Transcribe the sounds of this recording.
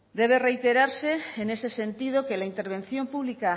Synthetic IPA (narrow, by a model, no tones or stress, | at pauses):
d̪e̞β̞e̞re̞jt̪e̞ɾaɾse̞ːne̞se̞se̞nt̪ið̞o̞ke̞laint̪e̞ɾβ̞e̞n̟θjo̞mpuβlika